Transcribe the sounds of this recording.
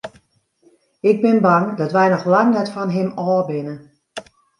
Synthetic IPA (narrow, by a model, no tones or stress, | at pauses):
ɪɡ̚bɪnbaŋdɔtʋɛjnɔxlaŋnɛtfɔnɦɪmɔːbɪnə